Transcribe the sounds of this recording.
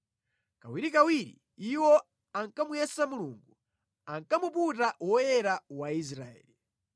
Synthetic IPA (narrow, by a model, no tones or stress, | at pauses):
kawiɾikawiɾḭ | iwɔ | aŋkamujɛsamuluːŋɡu | aŋkamuputawɔjɛɾawais̬ɾa̰ɛ̰ːli